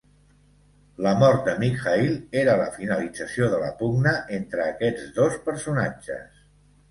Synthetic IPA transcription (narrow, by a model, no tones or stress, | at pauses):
ləmɔɾt̪̚d̪əmikxailˠeɾələ̰finəlid͡zəsioðələ̰puɡnəʔent̪ɾəːkɛd͡zd̪ospəɾsuna̰̥d͡ʒə̰s